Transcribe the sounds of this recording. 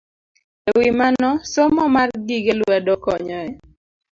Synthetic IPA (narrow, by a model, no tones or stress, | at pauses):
ewimanɔsɔmɔmarɡiɡelwɛdɔkɔɲɔɛ